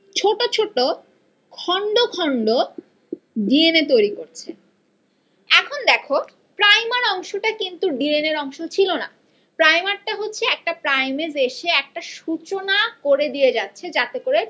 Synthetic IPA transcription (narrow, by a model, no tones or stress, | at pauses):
t͡ɕʰoʈot͡ɕʰoʈo | kʰɔɳɖokʰɔɳɖo | ɖienet̪̬ojɾikoɾt͡ɕʰe | ɛkʰond̪ɛkʰo | pɾajmaɾɔŋʃoʈakint̪uɖieneɾɔŋʃot͡ɕʰilona̰ | pɾajmaɾʈaɦotːɕʰeɛk̚ʈapɾajmezeʃeɛk̚ʈaʃut͡ɕonakoɾed̪ijed͡ʑatːɕʰed͡ʑat̪ekoɾe